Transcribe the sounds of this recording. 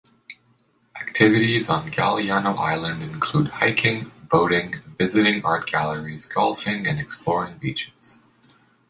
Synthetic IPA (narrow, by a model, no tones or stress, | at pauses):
ʔæk̚tʰɪvɨɾizn̩ɡæ̰lˠiɑnoʊʔa̰ɪlˠɨ̃ndɨ̃nkʰl̥ud̚haɪkʰɪ̃ŋboʊɾɪ̃ŋvɪzɨɾɪ̃ŋɑ̰ɹt̚ɡ̥ælˠə˞iz̥ɡɔlˠfɪ̃ŋɨ̃nɨksplɔɹɪ̃ŋbit͡ʃɪ̥z̥